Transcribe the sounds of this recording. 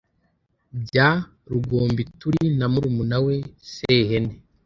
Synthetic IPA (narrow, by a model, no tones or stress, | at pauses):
bɟa | ɾuɡoːmbituɾinamuɾumunawe̞sehene